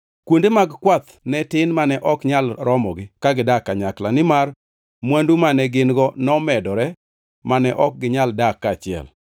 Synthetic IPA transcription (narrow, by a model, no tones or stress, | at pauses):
kwondemaɡkwat̪ | nɛtɪnmanɛʔɔkɲalɾɔmɔɡɪkaɡɪdakːaɲaklanɪmar | mwandumanɛɡɪnɡɔnɔmɛdɔɾɛ | manɛʔɔk̚ɡɪɲaldakːat͡ʃɪɛ̰l